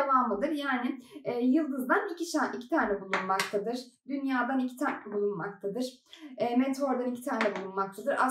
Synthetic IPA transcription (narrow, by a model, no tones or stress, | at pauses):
evamɯd̪ɯɾjaːnɪɛːjɯlˠd̪ɯzd̪anbicʰit͡ʃaʔicʰi̥t̪ʰaːnɛbulˠunmak̚t̪ʰad̪ɯɾ̥ | d̪ynjaːd̪anicʰit̪ʰaːnɛbulˠunma̰kt̪ʰad̪ɯɾ̥ | ɛːmet̪ʰo̞ɾd̪anicʰi̥t̪ʰaːnɛbulˠunmakt̪ʰad̪ɯɾa̰